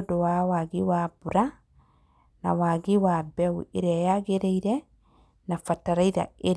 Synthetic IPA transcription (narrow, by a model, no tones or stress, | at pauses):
dowawaɡiwabuɾa | na̰waɡiwabɛwueɾɛjaɡeɾeiɾɛ | nafataɾaiɾa̰eɾ